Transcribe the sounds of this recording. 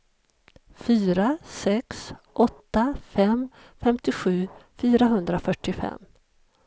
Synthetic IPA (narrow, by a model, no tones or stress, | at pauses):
fyːɾasɛksʔɔt̪ːafɛm | fɛmt̪ɪɧʉ̟ːfyːɾaɦɵnd̪ɾafœʈːɪfɛ̰mː